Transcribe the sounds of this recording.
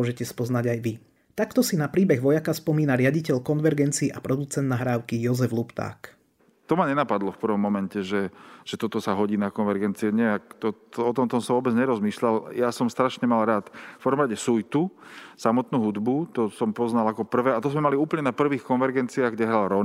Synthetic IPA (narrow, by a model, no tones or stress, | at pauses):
ɔʒɛcɛspɔznaɟajʋi | t̪akt̪ɔsinapɾiːbɛɣʋɔjakaspɔmiːnaɾɪaɟicɛʎkɔnʋɛɾɡɛnt͡siːʔapɾɔd̪ut͡sɛnd̪naɦɾaːʊkijɔzɛvlupt̪a̰ːk | t̪ɔmaɲɛnapad̪lɔfpr̩ʋɔmːɔmɛncɛʒɛʒ̥ɛt̪ɔt̪ɔsaɦɔɟiːnakɔnʋɛɾɡɛnt͡siɛɲɛak̚t̪ɔt̪ɔɔt̪ɔmt̪ɔmsaʋɔbɛd͡zɲɛɾɔzmiːʃlaljasɔmst̪ɾaʃɲɛmalɾaːt̪fpəɾ̩ʋɔmɾaɟɛsujt̪usamɔt̪nuːɦud̪but̪ɔsɔmpɔznalakɔpr̩ʋɛːat̪ɔzmɛmaliuːpl̩ɲɛnapr̩ʋiːxkɔnʋɛɾɡɛnt͡siaɣɡɟɛɦɾalɾɔn